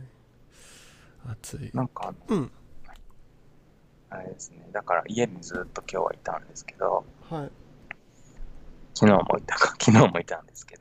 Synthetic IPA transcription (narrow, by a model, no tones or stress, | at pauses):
at͡sɨinãŋkaːnoha | aɾe̞d̪e̞sɨne̞d̪akaɾa̰ʔie̞ɲ̟id͡zɨːt̪ːo̞kʲo̞ːβa̰it̪ã̰nd̪e̞sɨ̥ke̞d̪o̞̰hi | kʲino̞ːmʔo̰it̪ḁkḁkʲʰinoːmo̞it̪ãnd̪e̞sɨ̥ke̞d̪o